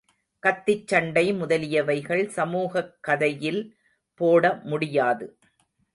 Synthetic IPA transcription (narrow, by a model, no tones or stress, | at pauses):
kɐt̪ːɪt͡ʃːɐɳɖɐɪmʊðɐlɪjɐʋɐɪɣɐɭsɐmuːɣɐkːɐðɐjɪl | poːɽɐmʊɽɪjaːðɯ